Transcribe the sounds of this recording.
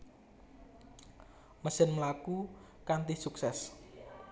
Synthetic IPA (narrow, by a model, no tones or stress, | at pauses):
məsɪnməlaku | kant̪isuksɛs